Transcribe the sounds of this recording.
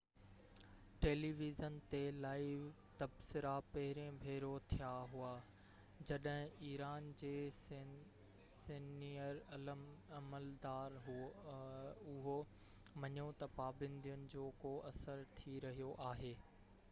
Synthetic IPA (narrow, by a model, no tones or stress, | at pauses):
ʈeːliʋizənt̪elaːɪʋ | t̪ɐbsɪɾapɐɦɪɾẽbʱeːɾot̪ʰijaɦuaː | d͡ʑɐɗɦɪ̃iːɾaːnd͡ʑeː | siniəɾɐləmɐməld̪aːɾɦ | ʊɦo | mɐɲot̪ɐpaːbə̃nd̪ʱijənɪ̆d͡ʑoːkoʔɐsəɾt̪ʰiɾɐɦijoʔaːɦeː